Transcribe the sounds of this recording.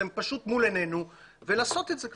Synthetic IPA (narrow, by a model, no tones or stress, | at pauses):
empaʃut̪mulene̞nu | velaːso̞t̪etzek